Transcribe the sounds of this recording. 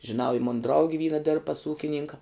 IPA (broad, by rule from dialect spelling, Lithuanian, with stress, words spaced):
ʒʲɪˈnɐʊ ɪ ˈmʊnɐ ˈdrɐʊɡʲɪ ˈʋʲiːnɐ dʲɪrp pɐs ˈuːkʲɪnʲɪŋkɐ